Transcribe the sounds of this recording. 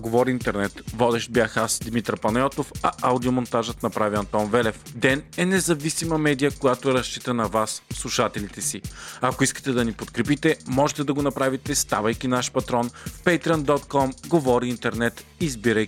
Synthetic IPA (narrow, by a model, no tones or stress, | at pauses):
ɡovɔɾiint̪ɛɾnɛt̪vɔd̪ɛʃ̚bjaxasd̪mit̪ɾɐpɐnɛɔt̪ofɐʔawd̪iomont̪aʒət̪nɐpɾaviɐnt̪ɔnvɛlɛfd̪ɛnɛnɛzɐvisimɐmɛd̪ijəkojat̪oɛɾɐʃt͡ʃit̪ənɐvasslˠuʃat̪ɛlit̪ɛsiɐkoiskə̥t̪ɛd̪ɐnipot̪kɾɛpit̪ɛmɔʒɛt̪ɛd̪ɐɡonɐpɾavit̪ɛst̪avəjkʲinaʃpɐt̪ɾɔnfpɛt̪ɾiənd̪ɔt̪kɔmɡovɔɾiːnt̪ɛɾnɛt̪izbiɾəj